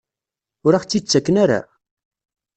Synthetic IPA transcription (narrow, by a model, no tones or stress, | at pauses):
ʊɾaχt͡sːit͡sːækːənaɾa̰